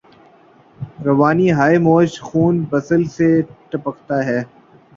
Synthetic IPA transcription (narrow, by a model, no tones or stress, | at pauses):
ɾɐʋaːniɦaːimoːʃxuːnbɐsəlseʈɐpəkʰt̪aɦɛː